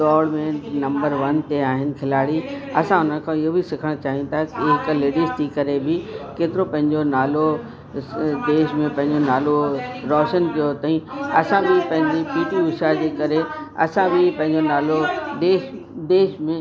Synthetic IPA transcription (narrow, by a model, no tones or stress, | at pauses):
ɡɔːɽmẽʈnɐ̃mbəɾʋɐnt̪eaːɦɪnɪ̆kʰɪlaːɽiɐsãʊnən̆kʰãɪɦobisɪkʰəɽ̃t͡ɕaːɦijũt̪ʰakiɦɪkleːɖist̪ʰikɐɾebɪkeːt̪ɪɾopɐ̃ɦɪ̃ɲd͡ʑonaːlo | d̪eːʃmẽpɐ̃ɦɪ̃ɲd͡ʑonaːloɾɔːʃənt̪ijot̪ɐĩɐsãbʱɪpɐ̃ɦɪ̃ɲd͡ʑipiːʈiʊʃad͡ʑeːkɐɾeɐ̰sãbʱɪpɐ̃ɦɪ̃ɲd͡ʑonaːlod̪eːʃ | d̪eːʃmẽ